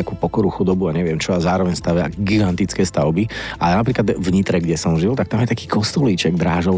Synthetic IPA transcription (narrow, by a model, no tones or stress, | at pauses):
akuːpɔkɔɾuxud̪ɔbuaɲɛʋɪɛmt͡ʃɔazaːɾɔʋɛɲst̪aʋɪa̰ɡiɡant̪it͡skɛːst̪aʊbia̰lɛjnapɾiːklad̪vɲit̪ɾɛɡɟɛsɔmʒilt̪ak̚t̪amjɛt̪akiːkʰɔst̪ɔliːt͡ʃɛɡd̪ɾaːʒɔʊ